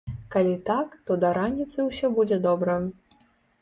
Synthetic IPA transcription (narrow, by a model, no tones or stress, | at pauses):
kalʲit̪akt̪ɔd̪ɐɾanʲːit̪sɨwsʲɔbud͡zʲɛd̪ɔbɾɐ